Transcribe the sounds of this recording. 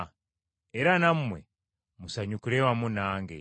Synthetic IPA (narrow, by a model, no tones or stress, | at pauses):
eɾanamumwḛ | musaɲukulewamunaːŋɡḛ